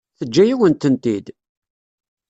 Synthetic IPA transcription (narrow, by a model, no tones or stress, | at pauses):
θəd͡ʒːæjiwənt̪ənt̪id̪